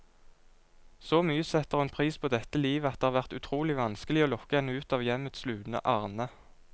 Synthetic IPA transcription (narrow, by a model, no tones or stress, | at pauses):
soːmyːəsɛt̪əʁɛnpʰʁiːspʰoːd̪ɛt̪əliːʋəɑt̪̚d̪eːhɑʁʋæʁt̪ʉt̪ʰʁuːlɪʋɑnskəlɪoːlɔkːəɛnəʉːt̪ɑːʋjɛmət̪slʉːnə̰ʔɑʁnə